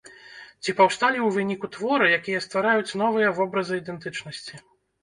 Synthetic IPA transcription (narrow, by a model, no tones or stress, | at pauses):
t͡sʲipɐwst̪alʲiwvɨnʲikut̪vɔɾɨjakʲijɐst̪vaɾajut͡sʲn̪ɔvɨjɐvɔbɾɐzɨid̪ɛnt̪ɨt͡ʂnɐsʲt͡sʲi